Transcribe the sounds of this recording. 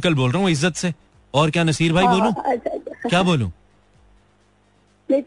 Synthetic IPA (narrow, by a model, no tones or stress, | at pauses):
kəlboːlɾɐɦũɪzːət̪se | ɔːɾkjaːnɐsiːɾbʱaːiboːlũː | kjaːboːlṵ̃ː | e